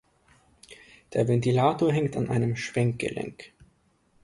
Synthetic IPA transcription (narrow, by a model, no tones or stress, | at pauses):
d̥eːɐvɛntilaːtoːɐɦɛŋktanʔa̰ɪnəmʃv̥ɛŋk̚ɡ̥ə̰lɛ̰ŋk